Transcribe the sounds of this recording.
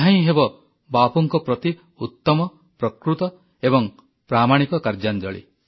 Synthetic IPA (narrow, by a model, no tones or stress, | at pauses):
aĩɦebɔ | bapɔŋkɔpɾɔt̪i | ut̪ːɔmɔ | pɾɔkɾut̪ɔ | ebɔŋ | pɾamaɽ̃ikɔkaɾd͡ʒand͡ʒɔɭḭ